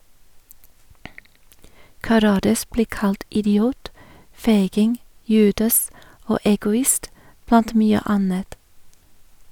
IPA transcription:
kɑˈɾɑːdɑs ˈbliː ˈkɑlt ɪdɪˈuːt ˈfeɪɡɪŋ ˈjʉːdɑs ˈoː ɛɡʊˈɪst ˈblɑnt ˈmyːə ˈɑnət

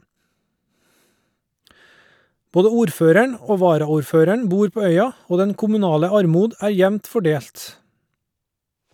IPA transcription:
ˈboːdə ˈuːɾˌføːɾəɳ ˈoː ˈʋɑːɾɑˌuːɾˌføːɾəɳ ˈbuːɾ ˈpoː ˈœʏɑ ˈoː ˈdɛn kʊmʉˈnɑːlə ˈɑɾˌmuːd ə ˈæː ˈjɛʋnt fɔˈɖeːlt

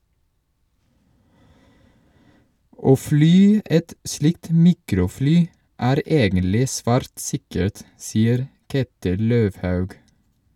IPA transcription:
ˈoː ˈflyː ˈʔɛt ˈslɪkt ˈmiːkɾʊˌflyː ˈæːɾ ˈʔeːɡənlɪ ˈsʋæːɾt ˈsɪkəɹt ˈsiːəɾ ˈkeːtɪl ˈløːʋhɑʉɡ

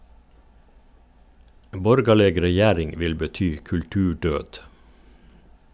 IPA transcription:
ˈbɔɾɡɑləɡ ɾɛˈjæːɾɪŋ ˈʋɪl bəˈtyː kʉlˈtʉːˌɖøːd

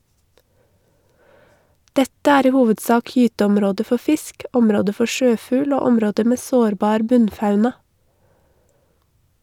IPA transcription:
ˈdɛtə ˈæːɾ ˈiː ˈhuːʋədˌsɑːk ˈjyːtəɔmˌɾoːdə ˈfɔ ˈfɪsk ˈɔmɾoːdə ˈfɔ ˈʃøːˌfʉːl ˈoː ˈɔmɾoːdə ˈmeː ˈsoːɾˌbɑːɾ ˈbʉnˌfɑʉnɑ

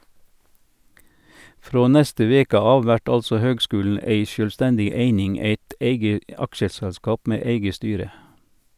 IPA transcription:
ˈfɾoː ˈnɛstə ˈʋeːkə ˈɑːʋ ˈʋæʈ ˈɑlsɔ ˈhøːɡˌskʉːln̩ ˈeɪ ʃœlˈstɛndɪ ˈeɪnɪŋ ˈeɪt ˈeɪɡə ˈɑkʃəsɛlˌskɑːp ˈmeː ˈeɪɡə ˈstyːɾə

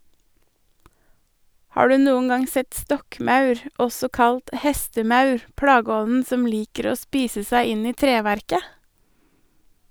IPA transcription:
ˈhɑː ˈɖʉː ˈnuːən ˈɑŋ ˈsɛt ˈstɔkˌmɑʉɾ ˈɔsɔ ˈkɑlt ˈhɛstəˌmɑʉɾ ˈpɽɑːɡəˌɔnn̩ ˈsɔm ˈliːkəɾ ˈoː ˈspiːsə ˈsæɪ ˈɪn ˈiː ˈtɾeːʋæɾkə

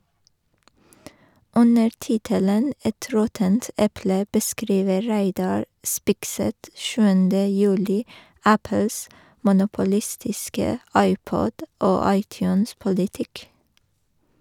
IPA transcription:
ˈʉnəɾ ˈtɪtələn ˈɛt ˈɾɔtənt ˈɛplə bəˈskɾiːʋə ˈɹæɪˌdɑɹ ˈspɪkˌsɛt ˈʃʉːəndə ˈjʉːlɪ ˈæpəls mʊnʊpʊˈlɪstɪskə ˈɑɪˌpɔd ˈoː ˈɑɪˌtjʉːnspʊlɪˌtɪk

